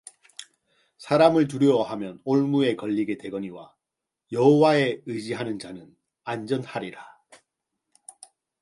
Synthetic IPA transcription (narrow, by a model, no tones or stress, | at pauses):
sʰaɾamɯɭt̬uɾjʌwɦamjʌnoɭmue̞kʌʎːiɡete̞ɡʌɲiwa | jʌɦowae̞ɯd͡ʑiɦanɯnd͡ʑanɯn | and͡ʑʌnhaɾiɾa